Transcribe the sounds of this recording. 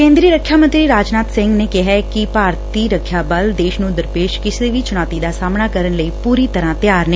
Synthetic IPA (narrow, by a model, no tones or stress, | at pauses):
kẽːnd̪ɾiəɾəkʰjaːmə̃nt̪ɾiːɾaːd͡ʒnaːt̪sɪ̃ŋɡneːkɪɦaːkɪpaːɾt̪iːɾəkʰːjaːbəld̪eːʃnũːd̪əɾpeːʃkɪseːʋiːt͡ʃʊɽ̃aːt̪id̪aːsaːmnaːkəɾənləiːpuːɾiːt̪əɾãːt̪jaːɾneː